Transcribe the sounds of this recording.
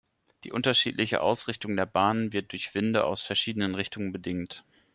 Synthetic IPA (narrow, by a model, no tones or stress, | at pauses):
d̥ḭːʔʊntɐʃḭːtlɪçə̰ʔa̰ʊsʁ̥ɪçtʊŋdeːɐbaːnənvɪɐt̚d̥ʊɐçv̥ɪndəʔa̰ʊsfɛɐʃiːdənənʁɪçtʊŋənbədɪŋt